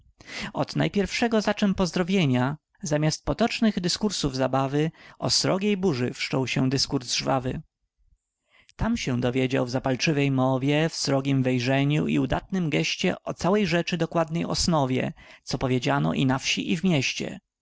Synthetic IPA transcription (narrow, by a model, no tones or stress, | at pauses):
ɔd̪̥na̰jpʲjɛɾfʂɛɡɔzat͡ʂɛmpɔzd̪ɾɔvʲjeɲa | zamʲast̪̚pɔt̪ɔt͡ʂnɘɣd̪ɘskuɾsuvzabavɘɔ̰sɾɔɡʲejbuʐɘfʂt͡ʂɔwɕɛd̪ɘskuɾzʐvavɘ | t̪amɕɛ̃d̪ɔvʲjed͡ʑa̰wvzapalt͡ʂɘvɛjmɔvʲjɛfsɾɔɡʲimvɛjʐɛɲuḭud̪at̪nɘmɡɛɕt͡ɕɛ̰ʔɔt̪sawɛjʐɛt͡ʂɘd̪ɔkwad̪nɛjɔsnɔvʲjɛ̰t̪sɔpɔvʲjed͡ʑanɔ̰ʔinafɕiʔivmʲjɛɕt͡ɕɛ̰